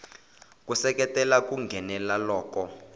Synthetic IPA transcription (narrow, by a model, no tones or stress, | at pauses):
k̬ʼusɛkɛtʼɛlak̬ʼuŋɡʱɛnɛlalɔːkɔ